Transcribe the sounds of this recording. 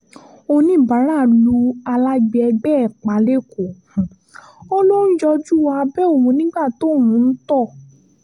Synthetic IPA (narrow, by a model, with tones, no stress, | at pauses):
o˧nĩ˦˨ba˨˦ɾa˦˨lu˧a˧la˦ɡ͡bɛ˧ɛ˧ɡ͡bɛ˦ɛ˨k͡pa˨˧le˦˨kõ˨ | o˦lo˦n̩˦d͡ʒɔ˧d͡ʒu˦wa˧bɛ˦o˦˨wũ˧nĩ˦ɡ͡ba˦˨to˨˦˨wũ˧˦n̩˦tɔ˦˨